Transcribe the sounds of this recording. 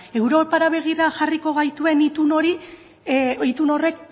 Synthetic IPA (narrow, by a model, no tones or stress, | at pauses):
e̞wɾo̞paɾaβe̞ɣ̞iraʝariko̞ɣ̞ajt̪ue̞nit̪uno̞ɾi | it̪uno̞re̞k